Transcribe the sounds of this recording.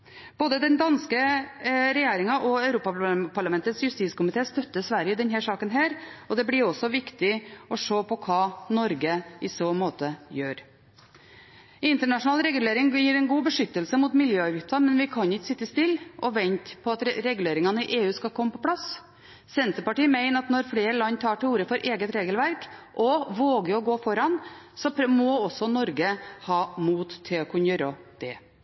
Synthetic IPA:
b̥oːd̪əd̪ɛnd̪ɑnskə | ɾɛjeːɾɪŋɑʔɔɑʉɾuːpɑpʰɑɭɑmɛnt̪ət̪sjʉst̪iːt̪skʊmɪt̪ʰeːst̪œt̪ːəsʋæɾjəd̪ɛnɦæːʂɑːkənɦæːɾɔd̪ɛblɪɾɔsːɔʋɪkt̪ɪɔʂoːpʰɔkʰɑːnɔɾɡəɪsoːmoːt̪əjøːɾ | ɪnt̪əɳɑʂʊnɑːlɾɛɡʉleːɾɪŋjiːɾɛnɡuːbəʂʏt̪ːəlsəmuːt̪mɪljøːɑʋɪkt̪ɑmɛnʋɪkʰɑnɪksɪt̪ːəst̪ɪlːɔʋɛnt̪pʰɔɑt̪ɾɛɡʉleːɾɪŋɑnəɪʔeːʉːskɑlkʰɔmːəpʰɔpʰlɑs | sɛnt̪əpɑʈiːmæɪnəɾɑt̪nɔɾfleːɾəɭɑnːt̪ʰɑːʈɪuːɾəfɔɾʔeːɡət̪ɾeːɡəlʋæɾkʔɔʋoːɡəɔɡoːfɔɾɑnsɔmɔɔsɔnɔɾɡəhɑːmuːt̪ʰːɪɔkʰʉnəjøːɾəd̪̥ɛ

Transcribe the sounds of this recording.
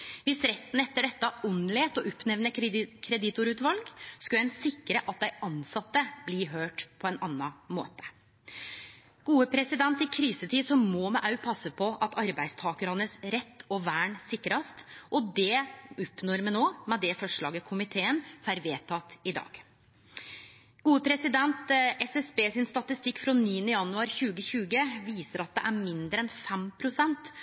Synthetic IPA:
ʋɪsɾɛt̪ːn̩ɛt̪ːəɖɛt̪ːɑɔnleːt̪ɔʔɔpnɛʋnəkʰɾɛd̪ɪt̪ʊɾʉːt̪ʋɑlɡskʉlɛnsɪkːəɾəʔɑt̪̚d̪æɪʔɑnsɑt̪ːəbliːɦøːʈpʰɔɛnɑnːɑmo̰ːt̪ə̥ | ɡ̥uːəpʰɾɛsɪd̪ɛnt̪ɪkʰɾiːsət̪ʰiːd̪sɔmmɔmɛʔɑʉpʰɑsːəpʰɔʔɑt̪ɑɾbæɪst̪ʰɑːkəɾhɑnːəsɾɛt̪ʰːɔʋæːɳsɪkːɾɑst̪ʔɔd̪ɛʊpnɔɾmənoːmɛd̪ɛfɔʂɭɑːɡəkʰʊmɪt̪ʰeːənfæɾʋeːt̪ʰɑt̪ɪd̪ɑ̰ːɡ̥ | ɡ̥uːəpʰɾɛsɪd̪ɛnt̪ʔɛsɛsbeːsɪnst̪ɑt̪ɪst̪ɪkːfɾɔniːənəjɑnʉɑːɾçʉːɡəçʉːɡəʋiːsəɾɑt̪̚d̪ɛ̰ʔæɾmɪnd̪ɾəɛnfɛmpʰɾʊsɛnt̪

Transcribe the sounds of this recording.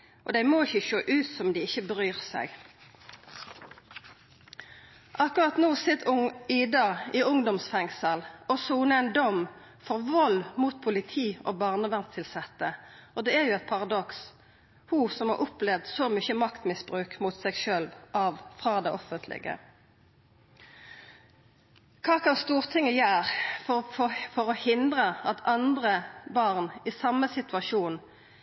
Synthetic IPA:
ʔɔ̰d̪æɪmɔːɪçəʃøːʔʉːt̪sɔmd̪ɪɪçːəbəʁyːʁsæ̰ɪɡ | ʔɑkʊʁɑt̪nuːsɪt̪ːʊɪd̪ɑɪʔʊŋd̪ɔmsfɛŋsəlɔsuːnəæɪnd̪ɔm | fɔʁʋɔlmuːt̪̚pʰʊlɪt̪ʰiːɔ̰ːbɑːʁnəʋɛnt̪ʰːɪlsɛt̪ːəɔd̪ɛːæʁjʊɛɪt̪̚pʰɑʁɑd̪ɔks | husɔmhɑ̰ʁʔɔplɛʋd̪sɔmʏçəmɑkt̪mɪsbʁʉːkmut̪sɛɡʃøːlʋʔɑʋfʁɑːd̪ɛʔɔfənt̪ʰlɪ̰ɡə̰ | kʰɑːkɑnst̪uːʁt̪ʰɪŋːəjæːʁfɔfofɔʁɔhɪnd̪ʁəɑt̪ʰɑnd̪ʁəbɑʁnɪsɑmːəsɪt̪ʉɑʃuːn

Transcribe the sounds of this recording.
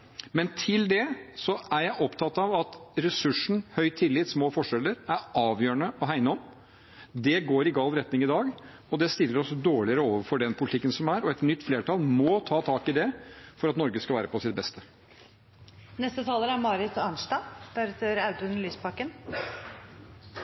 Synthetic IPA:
mɛnt̪ʰɪld̪ɛsɔʔæɾjæɪʔɔpt̪ʰɑt̪ːɑʋɑt̪ɾɛsʉʂɳ̩hœʏt̪ʰɪlːɪt̪smoːfɔʂɛlːəɾæɾɑːʋjøːɳəɔɦæɪnəɔm | d̪ɛɡoːɾɪɡɑːlɾɛt̪nɪŋɪd̪ɑːɡ | ɔd̪ɛst̪ɪlːəɾɔsd̪oːɭɪəɾəoːʋəɾfɔɖɛnpʰʊlɪt̪ɪkːənsɔmæɾɔɛt̪nʏt̪ːfleːʈʰɑːlmɔt̪ʰɑːt̪ʰɑːkɪd̪ɛfɔɾɑt̪nɔɾɡəskɑlʋæːɾəpʰɔsɪt̪̚bɛst̪ə | nɛst̪ət̪ʰɑːləɾæmɑːɾɪt̪ɑnʂd̪ɑːd̪̥æɾt̪əɾaʉt̪ʉnlyːspʰɑkən

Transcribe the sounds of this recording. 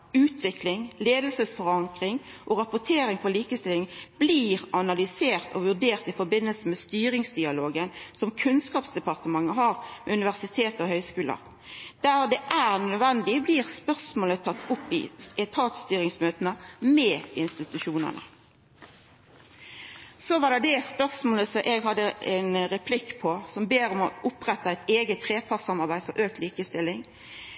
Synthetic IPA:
ʉːt̪ʰʋɪklɪŋleːd̪əlsəsfɔʁɑŋkʁɪŋ | ʔɔʁɑpʊt̪ʰeːɾɪŋfʰɔliːkəst̪ɪlɪŋb̥liːʁɑnɑlʏseːʁt̪ʰɔʋʉʁɖ̪eːʁt̪ɪfɔɾbɪnːəlsəmɛst̪yːɾɪŋsd̪ɪɑloːɡənsɔmkʰʉnskɑːpsd̪ɛpɑʁt̪əmɑŋːəɦɑːʁmɛʉnɪʋæʁsɪt̪ʰeːt̪ɔhœʏskʉːlə̰ | d̪̥æːʁd̪ɛʔæːʁnød̪ʋɛnd̪ɪbliːʁspœʁsmoːlət̪ʰɑt̪ːʊpːɪ̰ɛt̪ʰɑːt̪st̪yːɾɪŋsmøːt̪ənəmɛːɪnst̪ɪt̪ʉʃuːnə̰nə̰ | sɔʋɑːd̪ɛd̪ɛspœʁsmoːləsɔʔɛɡhɑd̪ːəɛnʁɛpʰlɪkːpʰɔsɔmbeːɾɔmɔʔʊpʁɛt̪ːɑæɪt̪eːɡət̪ʰːʁeːpʰɑʁsɑmɑʁbæɪ̥fɔɾʔøːk̚t̪liːkəst̪ɪlːɪŋ

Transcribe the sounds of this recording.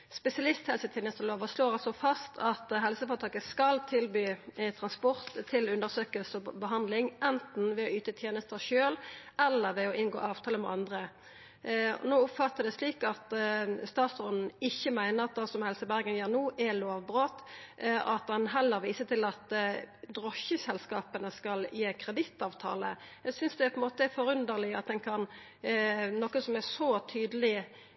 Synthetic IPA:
spɛsɪɑlɪst̪hɛlsət̪ʰjeːnəst̪əʁloːʋəsloːʁɑlsɔfɑst̪ʰɑt̪ɦɛlsəfɑʁt̪ʰɑːkəskɑlt̪ʰɪlbyːt̪ʰʁɑnspɔʁt̪ʰːɪlʉnd̪əʁsøːkəlsəɔbəɦɑnd̪lɪŋʔɛnt̪n̩ʋɛoyːt̪ət̪ʰjeːnəst̪əʃøːlɛlːəʁʋɛɔʔɪnɡo̰ːʔɑːʋt̪ʰɑːləmɛ̰ʔɑnd̪ʁə | ɔ̰noːʊpfɑt̪ːəd̪ɛsliːkɑt̪st̪ɑːt̪sʁɔnn̩ɪçːəmæɪnəʁɑt̪̚d̪ɑsɔmhɛlsəbæʁɡənjiːʁnuːʔæloːʋbʁoːt̪ | ʔɑt̪̚d̪ɛnɦɛlːəɾʋiːsət̪ɪlɑt̪d̪ʁɔçəsɛlskɑːpənəskɑljeːkʰʁɛd̪ɪt̪ːɑːʋt̪ʰɑ̰ːlə̰ | jæɡsʏnsd̪ɛpʰɔɛnmoːt̪əæfɔɾʉnd̪əlɪɑt̪̚d̪ɛnkʰɑn | nɔkəsɔmæsɔt̪ʰyːd̪əlɪ

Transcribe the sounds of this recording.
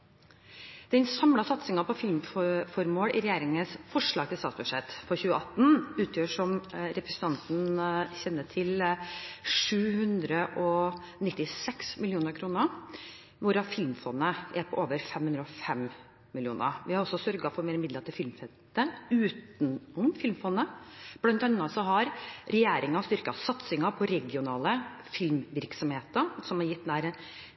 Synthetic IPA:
d̪̥ɛnsɑmlɑsɑt̪sɪŋɑpʰɔfɪlmfɔfɔɾmoːlɪ̰ɾɛjæːɾɪŋənsfɔʂɭɑːɡt̪ʰɪlst̪ɑːt̪sbʉʂɛt̪ːfɔɾçʉːəɑt̪n̩ʉːt̪ʰjøːʂɔmɾɛpɾəsən̩t̪ʰɑnt̪n̩ɕɛnːət̪ʰɪl | ʂʉːhʉnd̪ɾəʔɔ | nɪt̪ːɪsɛksmɪljuːnəɾkʰɾuːnəɾ | ʋʊɾɑfɪlmfɔnːəʔæɾpʰɔʔoːʋəɾfɛmhʉnd̪ɾɔfɛm | mɪlɪuːnə̰ɾʋɪhɑɾɔsːɔsœɾɡɑfɔɾmeːɾɪmɪd̪ləɾt̪ʰɪlfɪlmfɛnt̪əʉːt̪nɔmfɪlmfɔnːəb̥lɑnt̪ɑnːɑt̪sɔɦɑɾɾɛjeːɾɪŋɑst̪ʏɾkɑsɑt̪sɪŋɑpʰɔɾɛɡɪʊnɑːlə | fɪlmʋɪɾksɔmheːt̪əɾsɔmɑɾjɪt̪̚d̪æɾə

